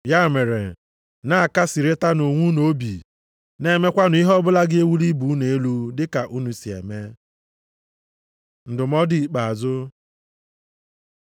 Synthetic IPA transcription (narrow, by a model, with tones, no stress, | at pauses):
ja˦˨me˨ɾḛ˨ | na˦a˨ka˦si˨ɾe˦ta˦no˨ŋʷu˦no˦bi˨ | ne˦˨me˦kʷa˦nʊ˨˦i˦ɦɔ˦bʊ˦la˦ɡɪ˦e˦wu˦li˦bu˨˦ne˨e˦lu˦dɪ˦ka˨ʔu˦nu˨si˨ḛ˨me˦ | n̩˨dʊ˨mɔ˦di˦˨k͡pa˨a˨zʊ˦